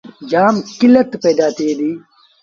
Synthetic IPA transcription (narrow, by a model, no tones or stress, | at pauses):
d͡ʒaːmkilɐt̪peːd̪aːt̪eːd̪iː